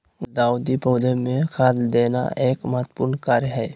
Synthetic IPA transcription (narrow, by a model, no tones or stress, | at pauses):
d̪aːwd̪ipəːd̪ʱəmẽkʰat̪d̪eːna̰ʔeːkmat̪pʊɾnkaːɾjɦɛː